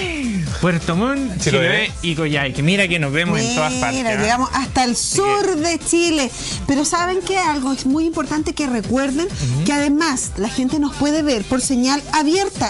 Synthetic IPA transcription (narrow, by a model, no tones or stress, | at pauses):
pweɾt̪omonsikojajkemiɾakenoβemosent̪oðaaɾɾadeɣamosast̪aelsuɾðet͡ʃile | peɾo̞saβeŋkeajalɣoesmujimpoɾt̪ant̪ekerekweɾðenkeaðe̞maslaxent̪eno̞spwe̞ðeβeɾpoɾseɲalaβjeɾt̪a